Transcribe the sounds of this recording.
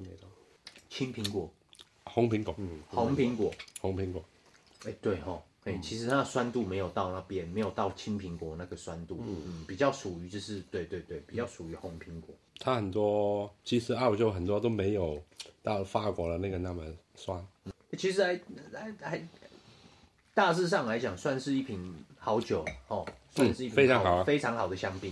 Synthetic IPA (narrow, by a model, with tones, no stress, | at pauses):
t͡ɕʰi˥npʰi˧˥ŋkwɔ˨˩˦ | xʊ˧˥ŋpʰi˧˥ŋkwɔ˨˩˦ho˧˥ŋpʰi˧˥ŋkwɔ˨˩hʊ˧˥ŋpʰi˧˥ŋkwɔ˨˩˦ | e˥˩ɪt̪we˥˩ɪxɔ˨˩ | e˥˩t͡ɕʰi˧˥ʂɻ̩˧˥na˥˩swa˦nt̪u˥˩me˧˥ɪjo˨˩ʊt̪ɑ˥˧ʊna˥˧pjɛ˥nme˧˥jo˨˩ʊt̪ɑ˥˩ʊt͡ɕʰi˥npʰi˧˥ŋkwɔ˨˩na˥˩ɡə˨˩swa˦˥nt̪u˥˩˥n̩˥˩pi˨˩t͡ɕjɑ˥˩ʊʂu˨˩y˧˥t͡ɕjo˥˧ʂ̬ɻ̩˥˧t̪we˥˧ɪt̪we˥˧ɪt̪we˥˩ɪpi˨˩t͡ɕjɑ˥˩ʊʂu˨˩y˨˧˥xo˧˥ŋpʰi˧˥ŋkwɔ˨˩˦t̪ʰa˥xə˨˩nt̪wɔ˥t͡ɕʰi˧˥ʂɻ̩˧˥ɑ˥˧ʊt͡ɕjo˥˧ʊxə˨˩nt̪wɔ˥t̪o˥ʊme˧˥ɪjo˨˩ʊt̪ɑ˥˩ʊfa˥˩kwɔ˧˥lə˧na˥˩ɡə˩na˥˩mə˨ | swa˥nn̩˥˩˥t͡ɕʰi˧˥ʂɻ̩˧˥a˧˥ɪa˧˥ɪxa˧˥ɪ | t̪a˥˧s̬ɻ̩˥˧ʂ̬ɑ˥˩˨ŋla˧˥ɪt͡ɕjɑ˨˩ŋswa˥˧nʂɻ̩˥˧i˥˩pʰi˨˩˦nxɑ˧˥ʊt͡ɕjo˨˩ʊhɔ˥˨˩swa˥˩nʂɻ̩˥˧i˥˩fe˥ɪɑ˧˦ŋxɑ˨˩ʊ˦fe˥ɪʈ͡ʂʰɑ˧˥ŋxɑ˨˩ʊd̪ə˩ɕjɑ˥ŋpi˥˩n